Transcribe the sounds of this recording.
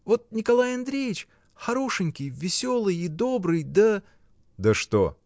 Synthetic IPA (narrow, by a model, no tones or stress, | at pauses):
vo̞t̪̚nʲɪkɐlˠajɐnd̪ɾʲejɪt͡ɕ | xɐɾo̞ʂɨnʲkʲɪjvʲɪsʲo̞lˠɨjid̪o̞bɾɨjd̪ə | d̪əʂt̪o̰